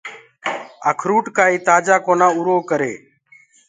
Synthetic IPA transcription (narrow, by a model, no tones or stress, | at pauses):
əkʰɾuːʈkaːiːt̪aːd͡ʒaːkoːnãːʊɾoːkəɾḛː